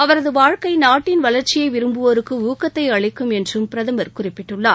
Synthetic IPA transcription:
ɐʋɐɾɐðɯʋaːɻkɐɪnaːʈːɪnʋɐlɐɾt͡ʃːɪjɐɪʋɪɾɯmbɯʋoːɾɯkːɯuːkːɐt̪ːɐɪɐɭɪkːɯmɛndrɯmpɪɾɐðɐmɐɾkʊrɪpːɪʈːɯɭːaː

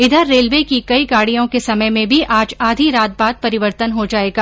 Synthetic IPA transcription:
ɪd̪ʱəɾːeːlʋeːkikɐiɡaːɽijõkesɐməjmẽbʱiʔʔaːd͡ʒaːd̪ʱiɾaːt̪̚baːd̪̚pɐɾɪʋəɾt̪ənɦod͡ʒaːeːɡaː

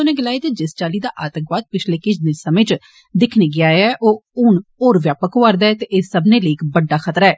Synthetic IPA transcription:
oneːɡɪlaːiːt̪eːd͡ʒɪst͡ʃaːliːd̪aːʔaːt̪ə̃ŋkʋaːd̪̚pɪt͡ʃʰleːkɪt͡ʃʰd̪ɪnsəmẽːt͡ʃ | d̪ɪkʰneːɡɪaːɛːʔoːʊnoːɾʋjaːpəkoaɾd̪aːɛt̪eːʔɪsːəbnẽːləikbəɖːaːkʰət̪ɾaɛː

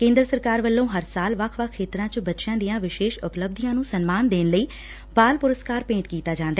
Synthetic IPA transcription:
kẽːnd̪ɾəsəɾkaːɾʋəlːõːɦəɾsaːlʋəkʰʋəkʰːeːt̪ɾãːt͡ʃəbətːʃjãːd̪ijãːʋɪʃeːʃʊpləb̚d̪ijãːnũːsənmaːnd̪eːnləiː | baːlpʊɾəskaːɾpẽːɳʈkiːt̪aːd͡ʒãːnd̪aː

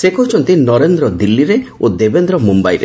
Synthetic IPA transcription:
sekɔɾt͡ʃʰɔnt̪inɔɾend̪ɾɔd̪ilːiɾeod̪ebend̪ɾɔmumbajɾḛ

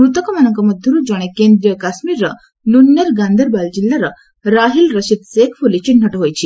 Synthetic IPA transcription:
ɾut̪əkɔmanəŋkɔməd̪ʱjuɾud͡ʑɔɽ̃ekend̪ɾijəkasmiɾːə | nunːəɾɡand̪ʱəɾbald͡ʑilːaɾa | ɾaɦilɾəɕid̪sekfʰolit͡ɕin̤ʱəʈɦojt͡ɕʰi

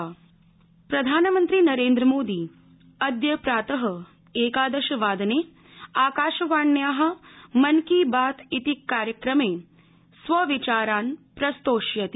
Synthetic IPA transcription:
pɾɐd̪ʱaːnɐmɐnt̪ɾinɐɾeːnd̪ɾɐmoːd̪iː | ɐd̪jɐpɾaːt̪ɐɦɐ | eːkaːd̪ɐʃɐʋaːd̪ɐneː | aːkaːʃɐʋaːɳːjaːɦɐ̆mɐnkiːbaːt̪it̪ikːaːɾjɐkɾɐmeː | sʋɐʋit͡ʃaːɾaːnpɾɐst̪oːʃjɐt̪i

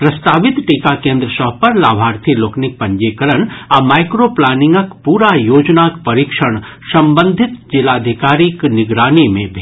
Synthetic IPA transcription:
pɾɐst̪aːʋɪt̪ʈikakẽːnd̪ɾəsəɦpɐɾlaːbʱaːɾt̪ʰiloːknɪk̚pɐ̃ɲd͡ʒeːkəɾəɳamaːɪkɾoplaːnɪ̃ŋɡəkpuːɾajoːd͡ʒnakpɐɾikʃəɽ̃ | sɐ̃mbə̃nd̪ʱɪt̪d͡ʒɪlaːd̪ʱɪkaːɾiknɪɡɾaːnimẽbʱe

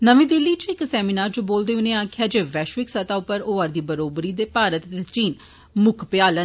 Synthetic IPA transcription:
nəʋĩːd̪ɪlːiːt͡ʃɪksɛːminaːɾd͡ʒoːboːld̪eːʊnẽaːkʰɪjaːd͡ʒeːʋɛːʃʋɪksət̪aːʊpəɾoːəɾd̪iːbəɾoːbɾiːd̪eːpaːɾət̪t͡ʃiːn | mʊkʰpɪjaːlə

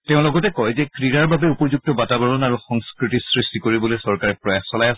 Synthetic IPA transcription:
teʊ̃lɔɡɔtɛkɔjzɛkɹiɹaɹbabɛupɔzuk̚tɔbatabɔɹɔnaɹuxɔŋskɹitisɹistikoɹibɔlojsɔɹkaɹɛpɹɔjaxsɔlajas

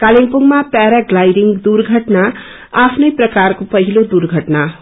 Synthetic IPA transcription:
kaliŋpuŋɡmapɛɾaɡlajɖiŋɡd̪uɾɡʱəʈna | apʰnepɾəkaɾkopəɦilod̪uɾɡʱəʈna

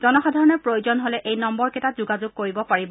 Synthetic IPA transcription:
z̥ɔnɔxɔdʱaɹɔnɛpɹojozɔnɦolɛʔejnɔmbɔɹkɛtazʊɡazʊɡ̚koɹibɔpaɹib

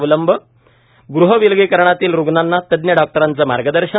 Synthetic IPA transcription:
ʋələmbʱə | ɡɾuɦəʋilɡekəɾɳ̃at̪iːlɾuɡnanːat̪əd̪njəɖɔk̚ʈəɾant͡səma̰ɾɡəd̪əɾɕə

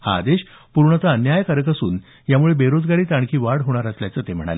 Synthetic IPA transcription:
ha̰ːd̪eɕ | puɾɳət͡s̪aənjajəkaɾəkəsṵːn | jamuɭebeɾod͡zɡaɽiːt̪aɳ̃kʰiːʋaɽɦoɽ̃aɾasljat͡səːt̪em̤əɽ̃a̰le

